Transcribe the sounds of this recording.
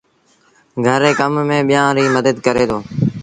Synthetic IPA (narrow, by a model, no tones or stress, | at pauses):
ɡʱəɾeːkəmːẽːɓɪjãːɾiːməd̪əd̪kəɾeːd̪oː